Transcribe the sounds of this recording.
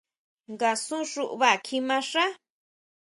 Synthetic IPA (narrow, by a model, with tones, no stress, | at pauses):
ŋɡa˨sũ˦ʂu˦ʔβa˦˨kʰi˧mã˧ʂa˦